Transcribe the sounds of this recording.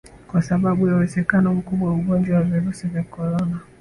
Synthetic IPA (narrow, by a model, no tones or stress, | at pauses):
kwasaɓaɓujauwɛzɛkanɔm̩kuɓwawuɡɔnd͡ʒawaviɾusivjakɔɾɔna